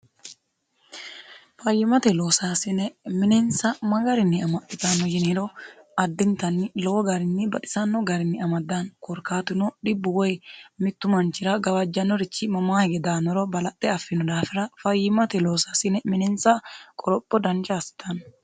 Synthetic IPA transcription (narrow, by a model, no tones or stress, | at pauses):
fɐjːɪmɐt̪ɛloːsaːsɪnɛmɪnɛnsɐmɐɡɐɾɪnːɪɐmɐt̪ːɪt̪anɔjɪnɪɾɔɐd̪ːɪnt̪ɐnːɪlɔɔɡɐɾɪnːɪbɐᶑɪ̥sɐnːɔɡɐɾɪnːɪɐmɐd̪ːankɔɾkaːt̪ʊnɔᶑɪbːʊwɔjmɪt̪ːʊmɐnt͡ʃːɪɾɐɡɐwɐd͡ʒːɐnːɔɾɪt͡ʃːɪmɐmaːhɪɡɛd̪aːnɔɾɔbɐlɐt̪ʼːɛɐfːɪnɔd̪aːfɪɾɐfɐjːɪmɐt̪ɛloːsasɪnɛmɪnɛnsɐkʼɔɾɔpʼːɔd̪ɐnt͡ʃaːsɪ̥t̪ʰɐn